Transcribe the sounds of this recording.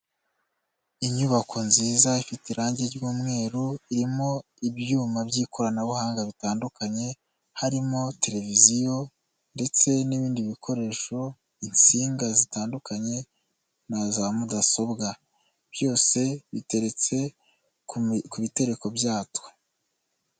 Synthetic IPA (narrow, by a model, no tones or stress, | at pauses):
iɲuβakʰo̞nziːzaifitiɾaːɲɟeɟuːmŋe̞ːɾoiɾimo̞ | ibjuːmabɟiːko̞ɾanaβuhaːŋɡaβitaːndukaɲe̞ | haɾimo̞te̞ɾe̞vizijo̞ | nde̞t͡se̞niβiːndiβikʰo̞ɾe̞ːʃo̞ | int͡siːŋɡazitaːndukaɲe̞ | nazamudaso̞bɡa | b̥jo̞ːse̞βite̞ɾe̞t͡se̞ | kuβite̞ɾe̞ko̞bjaːto̥